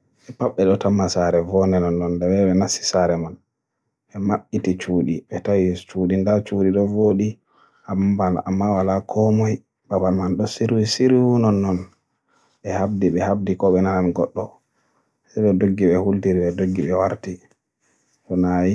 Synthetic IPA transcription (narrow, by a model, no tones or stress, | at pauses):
ʔɛpaɓːɛɗɔtamːasaɾɛvɔnɛnɔnːɔndɛɓɛɓɛnasːi̥saɾɛman | ɓɛmaɓːitit͡ʃuːɗiɓɛtawit͡ʃuɗindat͡ʃuːɗiɗɔvoːɗi | ʔambala̰mːawalakʰɔmɔj | babalmanɗɔsiɾwisiɾwunɔnːɔn | ɓɛhabdiɓɛhab̚dikɔɓɛnananɡɔɗːɔ | sajɗɔdoɡːiɓɛhultiɾiɓɛdoɡːiɓɛwaɾti | ɗɔnaji